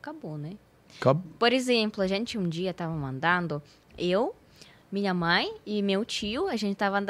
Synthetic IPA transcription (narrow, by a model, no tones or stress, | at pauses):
kabonɛ | kpoɾezẽmplʊɐʒẽnt͡ʃɪũd͡ʒiɐt̪avɐmɐ̃nd̪ɐ̃nd̪ʊ | ew | mĩɲɐmɐ̃j̃ɪmewt͡ʃiʊɐʒẽnt͡ʃɪt̪avɐɐ̃d̪